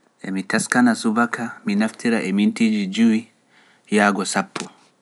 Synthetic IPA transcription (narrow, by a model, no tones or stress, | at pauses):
ɛ̰mitaskanasuβakʰaminaftʰiɾaʔɛmintid͡ʒid͡ʒui | jaɡɔsapʰːɔ